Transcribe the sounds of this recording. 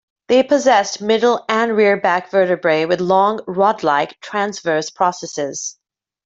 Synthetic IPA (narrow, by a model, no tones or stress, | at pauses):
ðeɪpʰɨzɛstmɪɾl̩ˠɨ̃nɹɪɹbækv̥ɜ˞ɾɨbɹeɪwɨðlɔ̃ŋɹɔdˡlaɪktʰɹ̥æ̃nsvɜ˞spʰɹ̥ɔsɛsɪz̥